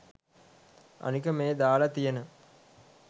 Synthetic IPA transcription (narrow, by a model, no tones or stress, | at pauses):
ʔɐ̰nɯkɐmeːd̪aːlɐt̪ɪjɐnɯ